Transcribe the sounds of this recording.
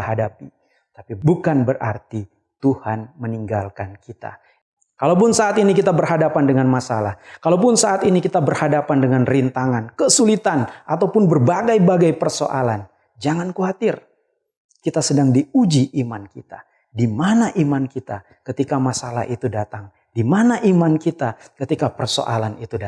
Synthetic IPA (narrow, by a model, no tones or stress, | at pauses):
hadapi | t̪apibukanbəra̰rt̪i | t̪uhanməniŋɡalkankit̪a̰ | kalawp̬ʊnsaːt̪inikit̪abərɦadapandəŋanmasalahkalawp̬ʊnsaat̪inikit̪abərhadapandəŋanrint̪aŋankəsulit̪anʔat̪awpʊnbərbaɡajbaɡajpərso̰ʔa̰lan | d͡ʒaŋankuat̪ɪr | kit̪asədaŋdiud͡ʒiʔimankit̪a̰ | dimanaʔimankit̪a | kət̪ikamasala̰hʔit̪udat̪aŋ | dimanaʔimankit̪akət̪ikapərso̰ʔa̰lanit̪uda